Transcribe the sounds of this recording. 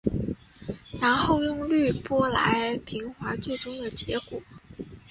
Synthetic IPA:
ɻa˧˥nxo˥˧ʊjʊ˥˧ŋly˥˩pwɔ˥la̰˧˥ɪpʰi˧˥ŋxwa˧˥t͡swe˥˩ɪʈ͡ʂʊ˥ŋd̪ə˨t͡ɕjɛ˧˥kwɔ̰˨˩˦

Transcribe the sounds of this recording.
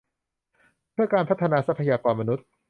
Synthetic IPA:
pʰɯ˥˩ɐkaː˧npʰa˦˥t̪ʰːa˧naː˧˩sa˦˥pʰa˧jaː˧kɔː˧nma˧nu˦˥t̪̚

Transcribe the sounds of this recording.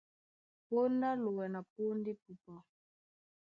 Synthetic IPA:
po˦nda˦lu˨wɛ˨na˨p̚u˦ndi˦pu˨pɔ˨

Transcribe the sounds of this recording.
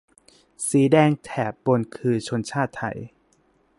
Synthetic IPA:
siː˩˦dɛː˧ŋt̪ʰɛː˩˦p̚bo˧nkʰɯː˧t͡ɕʰo˧nt͡ɕʰaː˥˩t̪ʰːa̰˧˩j

